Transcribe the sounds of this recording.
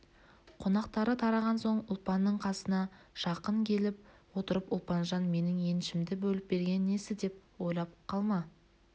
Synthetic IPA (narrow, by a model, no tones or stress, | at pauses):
qʰo̞nɑqt̪ɑɾət̪ʰɑɾɑʁɑnso̞ɴʊlˠpɑnːəɴqʰɑsənɑ | ʃɑqəŋkʲʰe̞lɪp̚wo̞t̪əɾəpʊlˠpɑnʒɑnme̞nɪŋe̞nʃɪmd̪ɪbɵlɪp̚be̞ɾɡʲe̞nːe̞sɪd̪e̞p̚wo̞jlˠɑp̚qʰɑlˠmɑ